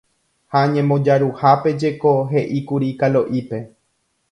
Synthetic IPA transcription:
haɲẽmõ̞d͡ʒaɾuhape̞d͡ʒe̞ko̞ɦe̞ʔikuɾikaloʔipe̞

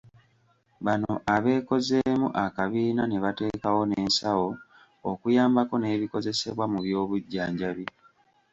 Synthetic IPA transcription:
βanoʔaβe̞ːko̞ze̞mṵʔakaβiːnaneβate̞ːkawo̞neːnsawo̞ | okujaːmbako̞ne̞ːβiko̞ze̞se̞βwamuβjo̞ːβuɟːaːɲɟaβi

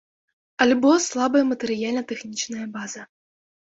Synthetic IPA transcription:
ɐlʲbɔslˠabɐjɐmɐt̪ɛɾɨjalʲnɐt̪ɛxnʲit͡ʂnɐjɐbazɐ

